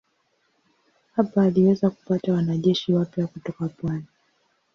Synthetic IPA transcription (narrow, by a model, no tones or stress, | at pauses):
hapaːliwɛzaku̥patawanaʄɛʃiwapjakutɔkapwani